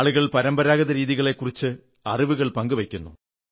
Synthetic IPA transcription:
ɭuɣɐɭpɐɾɐmbɐɾaːɣɐðɐɾiːðiɣɐɭe̞kːurit͡ɕːɨ | ɐriʋuɣɐɭpɐŋɡɨʋekʲːunːṵ

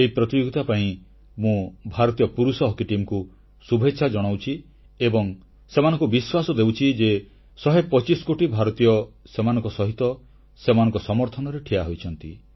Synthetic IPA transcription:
eipɾɔt̪id͡ʒoɡit̪apaĩ | mũbʱaɾɔt̪ijɔpuɾusɔɦɔkiʈimku | subʱetːʃʰad͡ʒɔɽ̃awt͡ʃʰi | ebɔŋ | semanɔ̃ŋkubiswasɔd̪ewt͡ʃʰid͡ʒe | sɔɦepɔt͡ʃisɔ̥koʈibʱaɾɔt̪ijɔsemanɔ̃ŋkɔsɔɦit̪ɔ | semanɔ̃ŋkɔsɔmɔɾt̪ʰɔnɔɾeʈʰiaɦojt͡ʃʰɔnt̪ḭ

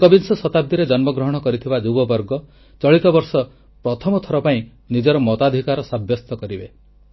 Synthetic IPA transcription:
kɔbinsɔsɔt̪ab̚d̪iɾed͡ʒɔnmɔɡɾɔɦɔɽ̃ɔkɔɾit̪ʰibad͡ʒubɔbɔɾɡɔ | t͡ʃɔɭit̪ɔbɔɾsɔ | pɾɔt̪ʰɔmɔt̪ʰɔɾɔpaĩ | nid͡ʒɔɾɔmɔt̪ad̪ʱikaɾɔsabʱjɔst̪ɔkɔɾibe

